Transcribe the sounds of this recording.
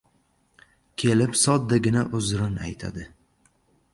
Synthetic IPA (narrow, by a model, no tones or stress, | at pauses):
kʲʰe̞lɪpsɒt̪̚d̪aɡʲɪnaʔʊzɾɪna̰jt̪ʰa̰d̪ɪ